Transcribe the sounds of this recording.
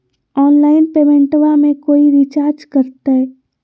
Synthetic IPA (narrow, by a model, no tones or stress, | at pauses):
ɔːnlaːɪnpeːʋɛ̃ɳʈʋamẽkoːiɾit͡ʃaːɾd͡ʒkəɾt̪e